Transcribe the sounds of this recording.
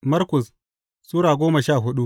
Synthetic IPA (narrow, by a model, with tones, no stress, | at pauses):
mɐ˦ɾkʊ˨s | suː˦ɽaː˨ɡʷoː˦mɐ˨ʃaː˦˨ɦʊ˦ɗu˦